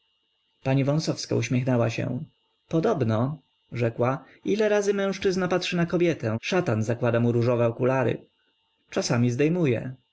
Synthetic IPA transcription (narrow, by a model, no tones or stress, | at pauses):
paɲivɔ̃w̃sɔfska̰uɕmʲjɛxnɛwaɕɛ̰̃ | pɔd̪ɔbnɔ | ʐɛkwa | ilɛɾazɘmɛ̃w̃ʂt͡ʂɘznapatʂɘnakɔbʲjɛt̪ɛʂat̪anzakwad̪amuɾuʐɔvɛɔkulaɾɘ̰ | t͡ʂasamʲizd̪ɛjmujɛ̰